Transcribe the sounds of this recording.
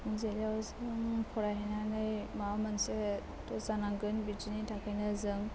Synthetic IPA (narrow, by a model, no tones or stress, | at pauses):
ɯŋzeljawzɯŋpʰɔɾaɦenanɯjmamanse | tɔzanaŋɡɯnbid͡ʒinitʰakʰajnazɯŋ